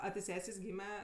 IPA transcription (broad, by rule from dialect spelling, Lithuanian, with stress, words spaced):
ɐ tʲɪ ˈsʲæːsʲeːs ˈɡʲiːmʲɛ